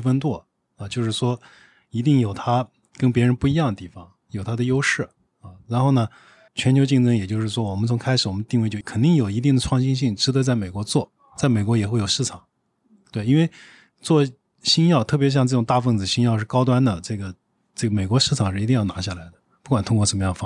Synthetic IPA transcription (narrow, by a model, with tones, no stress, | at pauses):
fə˥nt̪̬wɔ˥˩ | ɐ˨˧t͡ɕjo˥˧ʊʂ̬ɻ̩˥˩ʂwɔ˥ | i˧˥t̪i˥˩ŋjo˨˩ʊt̪ʰa˥ | kə˥npjɛ˧˥ɻə˧˥npu˥˩i˧˥jɑ˥˩ŋd̪ə˩t̪i˥˩fɑ˨˩ŋ | jo˨˩ʊt̪ʰa˥d̪ə˧jo˥ʊʂɻ̩˥˩ | ɐ˥˧ɻa˧˥nxo˥˩ʊnə˩ | t͡ɕʰɥɛ˧˥nt͡ɕʰjʊt͡ɕi˥˩˧ŋʈ͡ʂɤ˥ŋjɛ˨˩t͡ɕjo˥˧ʂɻ̩˥˩ʂwɔ˥wɔ˨˩mə˦nt͡sʰʊ˧˥ŋkʰa˥ɪʂɻ̩˨˩wɔ˨˩mə˦nt̪i˥˧ŋwt͡ɕjo˥˧˩kʰə˨˩nt̪i˥˩ŋjo˨˩ʊi˧˥t̪̬i˥˩ŋd̪ə˩ʈ͡ʂʰwɑ˥˧ŋɕi˥nɕi˥˩ŋʈ͡ʂɻ̩˥d̪ə˧t͡sa˥˩ɪme˨˩ɪkwɔ˧˥t͡swɔ˥˩ | t͡sa˥˩ɪme˨˩ɪkwɔ˧˥jɛ˨˩xwe˥˩jo˨˩ʊʂɻ̩˥˩ʈ͡ʂʰɑ˨˩˦ŋ | t̪we˥˩ɪi˥nwe˥˧ɪ | t͡swɔ˥˩ | ɕi˥njɑ˥˧ʊt̪ʰɤ˥˩p̬jɕjɑ˥˧ŋʈ͡ʂɤ˥˩ʈ͡ʂʊ˨˩ŋt̪a˥˧fə˥˩nd͡zɹ̩˩ɕi˥ŋjɑ˥˧ʊʂɻ̩˥˩kɑ˥ʊt̪̬wa˥nd̪ə˨ʈ͡ʂɤ˥˩ɡə˩ | ʈ͡ʂɤ˥˩ɡə˩me˨˩ɪkwɔ˧˥ʂɻ̩˥˩ʈ͡ʂʰɑ˨˩ŋʂɻ̩˥˩i˧˥i˥˧jɑ˥˩ʊna̰˧˥ɕja˥˩la˧˥ɪd̪ə̥˨pu˥˩kwa˨˩nt̪ʰʊ˥ŋkɔ˥˩ʂə˧˥mə˧jɑ˥˩ŋf